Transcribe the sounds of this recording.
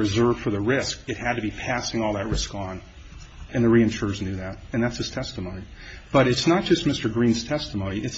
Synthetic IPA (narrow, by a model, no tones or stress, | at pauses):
ɹɨzɜ˞v̥fə˞ðɨɹɪskɨt̚hɨd̚tɨbipʰæsɪ̃ŋɔlˠðɨt̚ɹɪskn̩ | ɨ̃nðɨɹiɨ̃nʃʊɹznjʉðɨɾɨ̃nðætshɨz̥tʰɛstəmõʊ̃ni | b̥ʌɾɨtsnət̚d̥ʒ̥ʌst̚mɪstə˞ɡɹĩnz̥tʰɛstəmõʊ̃ñiʔɨts